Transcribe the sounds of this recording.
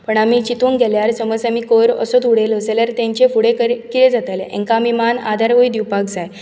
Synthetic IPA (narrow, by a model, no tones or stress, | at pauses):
pəɳamiːt͡ɕit̪uŋɡʱɛljaɾsəməd͡zamiːkoɾə̰sot̪uɽeləseljaɾt̪ãɲt͡ɕefuɽekəɾkiɾed͡zat̪ajleʔḛ̃ŋkamimana̰d̪ʱaɾɦojd̪iwpaɡd͡zaj